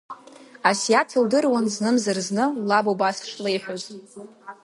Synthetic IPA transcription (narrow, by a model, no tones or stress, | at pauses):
asiatʰildɨrwanznɨmzarznɨlabobasʂlejħʷᶣoz